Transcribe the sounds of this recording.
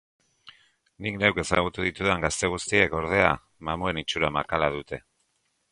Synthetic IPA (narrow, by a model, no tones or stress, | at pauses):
nikne̞wke̞sa̰ɣ̞ut̪uðit̪uðeŋɡast̪e̞ɣ̞ust̪ie̞ko̞ɾð̞e̞a | mamue̞nit͡ʃuɾamakalaðut̪e̞